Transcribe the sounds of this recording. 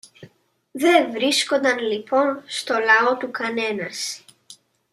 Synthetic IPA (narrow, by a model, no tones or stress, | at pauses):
ðevɾisko̞nd̪ɐnlipo̞nst̪o̞lɐo̞t̪ukɐne̞nɐs